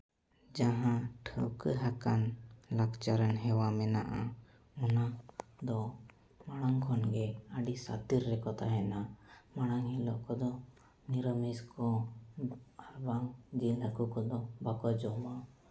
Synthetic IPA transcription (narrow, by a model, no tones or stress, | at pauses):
d͡ʒaɦãʈʰəwkəɦakanlakt͡ʃaɾənɦɛwamɛnaʔa | unad̪ɔ | maɽ̃aŋkʰɔnɡɛəɖisa̰t̪iɾːɛkɔt̪aɦɛnamaɽ̃aŋɦilɔʔkɔd̪ɔ | niɾəmiskɔ | aɾbaŋd͡ʒilɦəkukɔd̪ɔbakɔd͡ʒɔma